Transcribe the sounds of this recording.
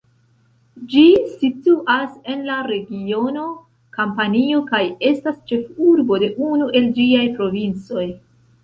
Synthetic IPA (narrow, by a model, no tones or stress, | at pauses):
d͡ʒisituʔase̞nlaɾe̞ɡio̞no̞ | kampanio̞kaje̞stast͡ʃe̞fuɾbo̞de̞ʔunuʔe̞ld͡ʒiajpɾo̞vint͡so̞j